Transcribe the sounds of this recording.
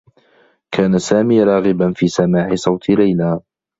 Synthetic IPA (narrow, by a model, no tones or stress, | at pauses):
kʰaːnasaːmiːɾˤɑːɣɪbanfiːsamaːʕɪsˤɑwt̪ʰlajlaː